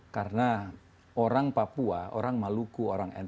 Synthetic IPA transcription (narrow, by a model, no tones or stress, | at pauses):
karna | oɾaŋpapuao̰ɾaŋmalukuoɾaŋɛ̰n